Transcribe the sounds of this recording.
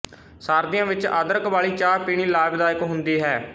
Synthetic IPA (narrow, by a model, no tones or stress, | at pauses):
saːɾd̪ɪjãːʋɪt͡ʃa̰ːd̪əɾəkbaːliːt͡ʃaːɾpiːɽ̃iːlaːbd̪aːɪkɦʊnd̪iːɦɛː